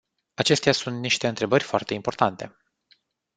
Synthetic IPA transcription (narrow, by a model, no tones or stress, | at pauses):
at͡ʃe̞st̪ejasunt̪niʃt̪e̞ɨnt̪ɾe̞bərʲfoart̪e̞impo̞rt̪ant̪e̞